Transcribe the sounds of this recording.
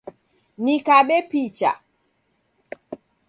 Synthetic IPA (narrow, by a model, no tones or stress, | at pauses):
nikaɓɛpit͡ʃa̰